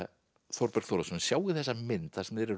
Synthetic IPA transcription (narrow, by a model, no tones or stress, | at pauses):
θɔɾpɛɾkθowɾasɔnsjaːwɣɪθɛsːamɪnt̪θasɛmðɛɾɛ